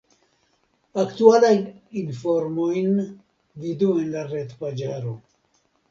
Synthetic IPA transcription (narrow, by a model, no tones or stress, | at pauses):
aktualajninfoɾmojn | viduenlaɾetpad͡ʒaɾo